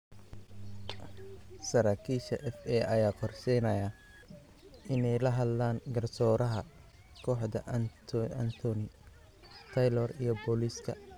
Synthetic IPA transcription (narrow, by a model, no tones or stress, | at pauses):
sɐɾaːkʰiːʃɐ̰ʔɛfɛːʔɐjaːqʰɔrsɛjnɐjɐ | ɪnɛjlɐɦɐd̪laːŋɡɐrsɔːɾɐɦɐ | kʰɔːħd̪ɐʔnʰant̪ʰɔnɪ | t̪ʰɐjlɔrijɞbɔliskʰɐ̰